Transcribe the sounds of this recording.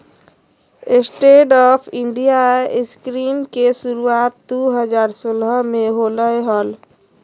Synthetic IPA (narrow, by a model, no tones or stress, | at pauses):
ɪsʈeːʈɔːpʰɪ̃ɳɖijaɪskɾiːmkesʊɾuaːt̪̚d̪uɦəzaːɾsoːlɦəmẽɦoləeɦɔːl